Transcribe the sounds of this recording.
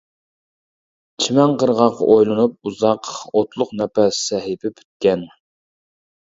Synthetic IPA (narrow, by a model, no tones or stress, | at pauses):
t͡ʃt͡ʃʰimɛŋqəɾʁɑqʰːɑ̰ʔojlˠɨnup̚uzɑqot̪lˠʊqnɛpæssɛɦɪpɪpʰy̥t̪̚kʲɛn